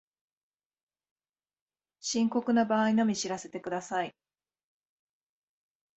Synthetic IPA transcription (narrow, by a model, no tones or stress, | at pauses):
ɕĩŋko̞kɯ̟nabaːino̞mʲiɕiɾase̞t̪e̞kɯ̟d̪asai